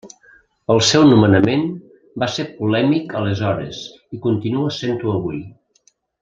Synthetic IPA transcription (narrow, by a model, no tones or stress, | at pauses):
əlˠsɛwnumənəmen | baseɾpulɛmikəlezɔɾḛz | ikunt̪inuəsent̪uəβuj